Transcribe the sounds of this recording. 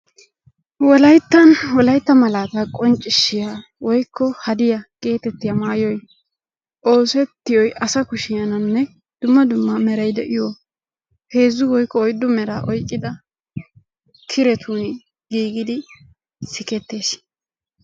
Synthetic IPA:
wɔlɐjt̪ːɐnwɔlɐjt̪ːɐmɐlaːt̪ɐkʼɔnt͡ʃʼːɪʃːɪja | wɔjkʰːɔhɐd̪ɪjɐɡ̥e̞ːt̪ɛt̪ːɪjɐmaːjɔj | ʔo̞ːsɛt̪ːɪjɔjʔɐsɐkʊʃɪjɐnɐnːɛ | d̪̥ʊmːɐd̪ʊmːɐmɛɾɐjd̪ɛʔɪjɔ | he̞ːzːʊwɔjkːɔːjd̪ːʊmɛɾaːʔɔjkʼːɪd̪ɐ | kʰɪɾɛt̪ʰuːn | ɡiːɡɪd̪ɪ | sɪkɛt̪ːeːs

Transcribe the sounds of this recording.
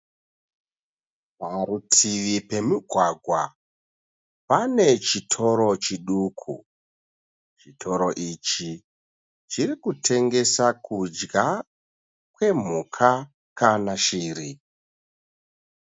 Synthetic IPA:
paɾutʰiʋipe̞miɡʱwaɡʱwa | pane̞t͡ʃitʰo̞ɾo̞t͡ʃiɗukʰṵ | t͡ʃitʰo̞ɾo̞ʔit͡ʃi | t͡ʃirikutʰe̞ŋɡe̞sakʰud͡ʒɡa | kwe̞m̤ukʰa | kanaʃiːɾi

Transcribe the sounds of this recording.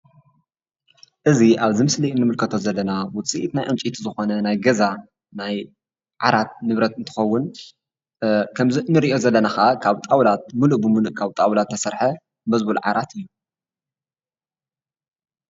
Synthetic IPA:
ʔɨziʔaβzɨmɨsliinːɨmɨlkʰɐt̪ʰo̞zɐlːɐnawʊt͡sʼiʔit̪najʕɨnt͡ʃʼit̪ʰizɨxo̞nɐnajɡɐza | naj | ʕaɾat̪̚nɨβɾɐt̪ɨnt̪ʰɨ̥xɐwːʊn | kʰɐmzinːɨɾiʔo̞zɐlːɐnaxakʰaβt̪ʼawlat̪̚muluʔbɨmuluʔkʰaβt̪ʼawlat̪ʰːɐsɐɾħɐ | bɐzbulʕa̰ɾat̪ɨjːu

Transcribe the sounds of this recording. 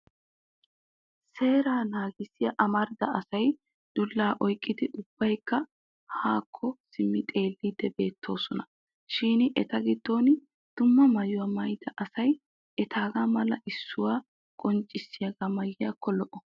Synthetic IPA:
se̞ːɾaːnaːɡɪsɪjɐʔɐmɐɾd̪ɐɐsɐj | d̪̥ʊlːaːʔɔjkʼːɪd̪ɪʔʊb̥ːɐjkːɐ | haːkʰːɔsɪmːɪt̪ʼe̞ːlːidb̪ɛbe̞ːt̪ʰːo̞ːsɔnɐ | ʃiːnʔɛt̪ɐɡɪd̪̥ːo̞ːnɪ | d̪̥ʊmːɐmɐjʊwɐːmɐjd̪ɐʔɐsɐj | ʔɛt̪ʰaːɡamɐlɐʔɪsːʊwaː | kʼɔnt͡ʃʼːɪsːɪjɐɡamɐjːɪjaːkʰːɔlɔʔɔ

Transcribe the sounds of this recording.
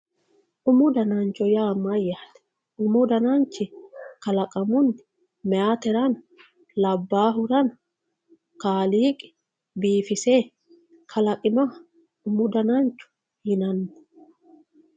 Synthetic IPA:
ʔʊmʊd̪ɐnaːnt͡ʃɔjaːmɐjaːt̪ɛ̥ | ʊmʊd̪ɐnant͡ʃːɪkɐlɐkʼɐmʊnɪ | mɛaːt̪ɛɾɐn | lɐbːaːɦʊɾɐn | kaːliːkʼɪ̥ | biːfɪseː | kʰɐlɐkʼɪna | ʊmʊd̪ɐnant͡ʃːʊ̥ | hɪnɐnːʊ̥

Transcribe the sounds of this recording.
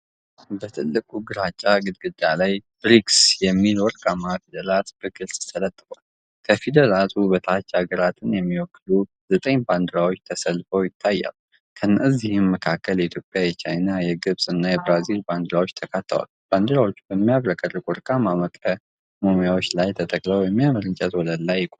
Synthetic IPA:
bət̪ʰɨlːɨkʼuɡɨɾat͡ʃʼːaɡɨd̪̚ɡɨd̪alajb̥ɾiksjɛmːilwɔɾkʼamafid̪əlat̪b̥əɡɨlsʼt̪ʰələt̪ʼːɨkʼal | kʰəfid̪əlat̪ʰubət̪ʰat͡ʃːaɡəɾat̪ʰɨnjɛmːiwɔkːlu | zət̪ʼəɲband̪ɨɾawot͡ʃːt̪ʰəsəlfəwjɪt̪ʰːajːa̰l | kʰənːəzihɨmməkʰakːəljɛit̪ʰjo̞pʼjajɛt͡ʃajnajɛɡɨβsʼɨnːajɛbɾazilband̪ɨɾawo̞t͡ʃːt̪ʰəkʰat̪ʰːə̰wa̰lb̥and̪ɨɾawo̞t͡ʃːubəmːijaβɾəkʼərɨkʼwɔɾkʼamaməkʼə | momijawo̞t͡ʃːlajt̪ʰət̪ʼəkʼləwjɛmːijaməɾɨnt͡ʃʼɛt̪wɔləlːajːɪkʼo

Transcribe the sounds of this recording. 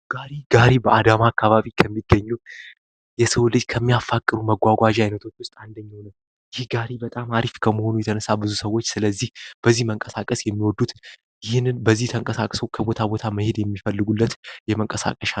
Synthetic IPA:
ɡ̥aɾiɡaɾibəʔad̪amakʰːaβaβikʰəmːiɡːəɲːu | jɛsəwlɨd͡ʒkʰəmːijafːakʼːɨɾuməɡʷaɡʷaʒajnət̪ʰo̞t͡ʃːwʊst̪ʼand̪əɲːawnəw | jɪhɡaɾibət̪ʼamaɾifkʰəməho̞nujɛt̪ʰənəsːabɨzusəwo̞t͡ʃːsɨləzːihb̥əzːihməŋkʼəsakʼəsjɛmːiwɔd̪ːut̪ | jɪhnːɨnbəzːiht̪ʰəŋkʼəsakʼso̞kʰəbo̞t̪ʰabo̞t̪ʰaməhe̞d̪jɛmːifəlːɨɡulːət̪jɛməŋkʼəsa̰kʼəʃa

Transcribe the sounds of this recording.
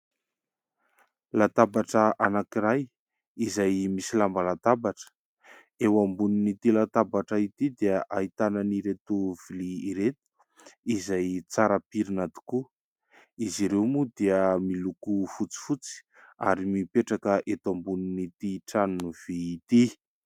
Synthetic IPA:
lat̪abaʈ͡ʂəʔanakiɾaj | izajmisilambalat̪abaʈ͡ʂə̥ | ewambuninit̪ilat̪abaʈ͡ʂait̪id̪iəʔait̪ananiɾet̪uv̥iliːɾet̪u̥ | izajt͡saɾapiɾinat̪u̥ku | iziɾewmud̪iəmilukufut͡si̥fut͡si̥ | a̰ɾimipeʈ͡ʂakəʔet̪ambuninit̪iʈ͡ʂanunuv̥iːt̪i

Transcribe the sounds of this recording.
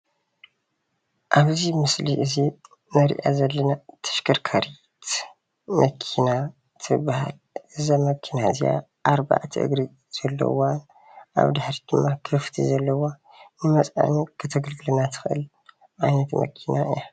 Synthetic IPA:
ʔaβzimɨsliʔɨzi | nɐɾḭʔa̰zɐlːɐnat̪ʰɐ̥ʃkʰɐɾkʰaɾi | t̪ | mʔɐkʰina | t̪ʰɨbaha̰l | ʔɨzamɐkʰinazija̰ | ʔaɾba̰ʕt̪ʰḭʔɨ̰ɡɾi | z̥ɐlːɐ̰wan | ʔa̰βd̪aħɾid̪ɨmːakʰɨft̪ʰḭzɐlːɐwa | nɨmɐt͡sʼa̰nikʰɨt̪ʰɐɡɨlɡɨlɐnat̪ʰɨ̥xʔɨ̰l | ʔajnɐt̪mɐ̰kʰinaɨ̰ja

